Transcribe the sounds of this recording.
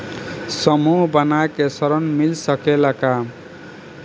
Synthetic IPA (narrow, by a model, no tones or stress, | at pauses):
sʌmubʌnakesʌɾʌnmilsʌkelaka